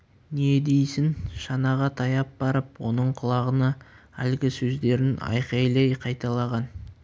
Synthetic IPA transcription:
ne̞d̪e̞jsɪnʃɑnɑʁɑt̪ʰɑjɑp̚b̥ɑɾəpwo̞nəɴqʰʊlˠɑʁənɑ | ælɡʲɪsɵzd̪e̞ɾɪnɑ̰jqɑjlˠɑjqʰɑjt̪ɑlˠɑʁɑn

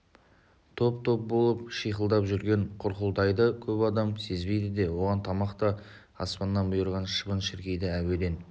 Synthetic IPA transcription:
t̪ʰo̞pt̪ʰo̞p̚bo̞lˠəp̚ʃijqəlˠd̪ɑpʒʏɾɡʲe̞ɴqʰʊɾqəlˠd̪ɑjd̪əkʲʰɵpɑd̪ɑmse̞zbe̞jd̪ɪd̪e̞wo̞ʁɑnt̪ʰɑmɑqt̪ə | ɑ̰spɑnːɑnbʊjəɾʁɑnʃə̥pənʃɪɾkʲe̞jd̪ɪæwe̞d̪e̞n

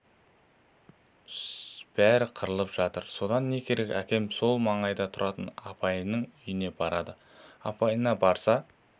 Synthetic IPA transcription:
b̥æɾɪqʰəɾəlˠəpʒ̥ɑt̪əɾso̞d̪ɑnːe̞kʲʰe̞ɾe̞kʲækʲe̞mso̞lˠmɑɴɑjd̪ɑt̪ʰʊɾʔɑt̪ə̰nɑpɑjnəɴʏjɪne̞bɑɾɑd̪ə | ɑpɑjənɑbɑɾsɑ

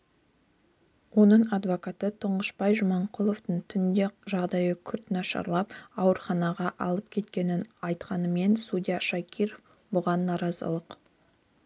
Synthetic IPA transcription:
wo̞nəɴɑd̪vo̞kat̪ət̪ʰʊɴʁəʃbɑjʒʊmɑɴqʰʊlˠo̞ft̪əɴt̪ʰʏnd̪e̞ʒɑʁd̪ɑjəkʲʰʏɾt̪nɑʃɑ̰ɾlˠɑpɑwəɾχɑnɑʁɑʔɑlˠəp̚kʲʰe̞t̪kʲe̞nɪnɑjt̪qɑnəme̞nsud̪ijaʃakʲʰiɾo̞f | bʊʁɑnːɑɾɑzə̰lˠəq

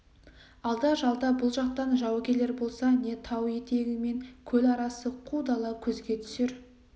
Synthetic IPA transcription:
ɑlˠd̪ɑʒɑlˠd̪ɑbʊlˠʒɑq̚t̪ɑnʒɑwkʲele̞ɾbo̞lˠsɑne̞t̪ʰɑwje̞t̪e̞ɡʲɪme̞ŋkʲʰɵlɑɾɑsəqʰud̪ɑlˠɑkʲʰɵzɡʲe̞t̪ʰʏ̥seɾ

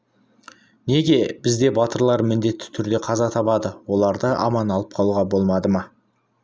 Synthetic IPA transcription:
ne̞ɡʲe̞b̥ɪzd̪e̞bɑt̪əɾlˠɑɾmɪnd̪e̞t̪ːɪ̥t̪ʰʏɾd̪e̞qʰɑzɑt̪ʰɑpɑd̪əwo̞lˠɑɾd̪əʔɑ̰mɑnɑlˠəp̚qʰɑlˠuʁɑbo̞lˠmɑd̪əmɑ

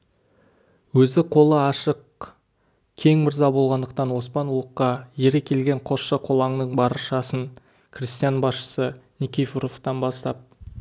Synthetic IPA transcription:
wɵzɪqʰo̞lˠəɑʃəq | kʲʰe̞ŋmɪɾzɑbo̞lˠʁɑnd̪əq̚t̪ɑnwo̞spɑnulˠəqːɑjeɾekʲʰe̞lɡʲeɴqʰo̞sʃəqʰo̞lˠɑŋnəɴbɑɾəʃɑsəŋ | kʰrʲist̪ijanbɑsʃə̥sənʲikʲifuɾoft̪ɑnbɑst̪ɑp̚

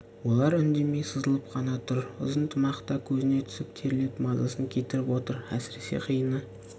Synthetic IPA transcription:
wo̞lˠɑɾʏnd̪e̞me̞jsəzəlˠəpqʰɑnɑt̪ʰʊɾʊ̰zənt̪ʰəmɑqt̪ɑkʲʰɵzɪne̞t̪ʰʏ̥sɪp̚t̪ʰe̞ɾɪle̞t̪mɑzɑsəŋkʲʰe̞t̪ɪɾɪpwo̞t̪əɾæsɪɾe̞sḛqʰijənə

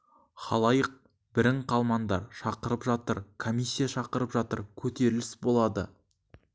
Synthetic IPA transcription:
χɑ̰lˠɑjəq̚ | bɪɾɪɴqʰɑlˠmɑnd̪ɑɾʃɑqəɾəpʒɑt̪əɾkʰomʲijsʲːijɑʃɑqəɾəpʒɑt̪əɾkʲʰɵt̪e̞ɾɪlɪsbo̞lˠɑd̪ə̰

